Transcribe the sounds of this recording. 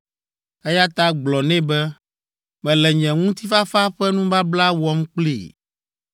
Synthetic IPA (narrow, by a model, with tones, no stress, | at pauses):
ɛ˦ja˦t̪a˦ɡ͡blɔ˨nɛ̃˦bɛ˦ | mɛ̃˨lɛ˨ɲɛ̃˨ŋũ˦t̪i˦fa˦fa˦ɸɛ˦nũ˦va˦bla˦wɔ˦m˦k͡plḭ˦˨